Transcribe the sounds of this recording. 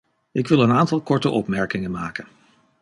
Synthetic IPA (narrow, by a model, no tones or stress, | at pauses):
ʔɪkʋɪlˠənaːntɑlˠkɔɹtəʔɔpmɛɹkɪŋəmaːkən